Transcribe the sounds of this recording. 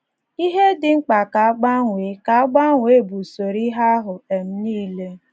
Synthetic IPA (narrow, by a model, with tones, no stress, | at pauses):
i˦ɦe˦dɪ˨ŋ͡m̩˦k͡pa˨ka˨a˦ɡ͡ba˦ŋʷe˨˦ka˨a˦ɡ͡ba˦ŋʷe˨˦˨bu˨so˨ɾi˦ɦa˦ɦʊ˨e˨m̩˦niː˦le˦